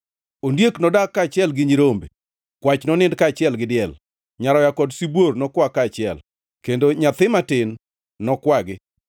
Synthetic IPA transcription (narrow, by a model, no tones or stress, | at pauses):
ondjeknɔdakːaːt͡ʃɪɛlɡɪɲiɾombe | kwat͡ʃnɔnɪndkaːt͡ʃɪɛlɡɪdɪɛl | ɲaɾɔjakɔdsibwornɔkwakaːt͡ʃɪɛ̰l | kendoɲat̪ɪmatɪnː | ɔkwaɡɪ